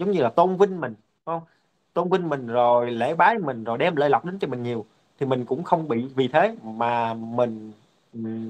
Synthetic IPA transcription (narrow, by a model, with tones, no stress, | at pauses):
zə˨˦wŋ͡mɲɨ˧laː˨˩t̪o˧nvï˧ŋ̟mï˨˩ŋ̟˧˦hə˧wŋ͡m | t̪o˧nvï˧ŋ̟mï˨˩ŋ̟zo˨˩jlḛ˧˥ɓaː˨˦jmï˨˩ŋ̟zo˨˩jɗɛ˧mləː˧jla˨˩wk͡p̚ɗe˨˦nt͡ɕɔ˧mï˨˩ŋ̟ɲi˨˩əw | t̪ʰi˨˩mï˨˩ŋ̟kʊ̰˧˥ŋ͡mxə˧wŋ͡mɓḭ˧˨vi˨˩t̪ʰe˨˦maː˨˩mï˨˩ŋ̟˨˩